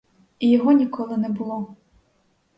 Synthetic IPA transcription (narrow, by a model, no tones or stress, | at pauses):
ijɔɦɔnʲikɔlˠɨnɛbulˠɔ